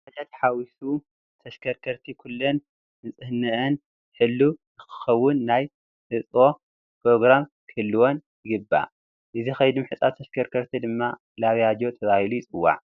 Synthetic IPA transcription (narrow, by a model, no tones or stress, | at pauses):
ħad͡ʒat̪ħawisu | t̪ʰɐʃkʰɐɾkʰɐɾt̪ʰikʰulːon | ɨt͡sʼɨhnɐʔɨn | ħɨlːuzɨxɨ̥xɐwːʊnːaj | ħɨt͡sʼo̞ | pʰɾo̞ɡɾamkʰɨɨlːɨwonjɪɡɨbːa̰ | ʔɨzixɐjd̪umħɨt͡sʼat̪ʰːɐʃkʰɐɾkʰɐɾt̪ʰid̪ɨmːa | laβjad͡ʒo̞t̪ʰɐβahilujɪt͡sʼɨwːa̰ʕ